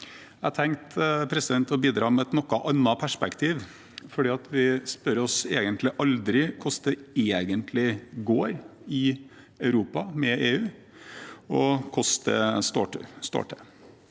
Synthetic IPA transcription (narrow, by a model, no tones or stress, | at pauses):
æhɑt̪ʰɛŋkt̪pʰɾɛsɪd̪ɛnt̪ɔbiːd̪ɾɑːmɛɛt̪nɔkːɑʔɑnːɑpʰæʂpɛkt̪ʰiːʋ | fɔɖiːɑt̪ʰʋɪspœɾɔseːɡənt̪lɪʔɑld̪ɾɪkʰʊsd̪ɛeːɡənt̪ʰlɪɡoːɾɪ | ɑʉɾuːpɑmɛeːʉː | ɔkʰɔst̪ə̰st̪o̰ːʈəst̪o̰ːʈə